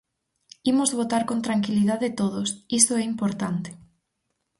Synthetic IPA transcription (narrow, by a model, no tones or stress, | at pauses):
imoʊzβot̪aɾkõnt̪ɾaŋkiliðaðet̪oðosist̪oɛimpoɾt̪ant̪ɪ̥